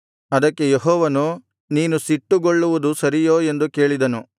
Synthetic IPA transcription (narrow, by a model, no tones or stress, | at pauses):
ɐd̪ɐkːe̞jeɦɔːʋɐnu | niːnusiʈːuɡoɭːuʋud̪usɐɾijoːe̞nd̪uke̞ːɭid̪ɐnu